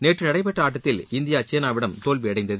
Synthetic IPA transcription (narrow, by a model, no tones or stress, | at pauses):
neːʈrɯnɐɽɐɪpɛʈːɐaːʈːɐt̪ːɪlɪnd̪ɪjaːt͡ʃeːnaːʋɪɽɐmt̪oːlʋiɐɽɐɪnd̪ɐð